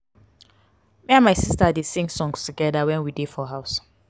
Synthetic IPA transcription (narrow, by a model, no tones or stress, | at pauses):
miãnmaɪsistadesĩŋsɔ̃ŋstuɡɛdawɛ̃nwidefɔɦaʊs